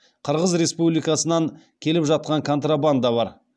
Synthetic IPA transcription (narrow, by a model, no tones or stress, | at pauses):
qʰəɾʁəzɾe̞spublijkɑsənɑŋ | kʲʰe̞lɪpʒɑt̪̚qɑŋkʰo̞nt̪raband̪ɑβɑɾ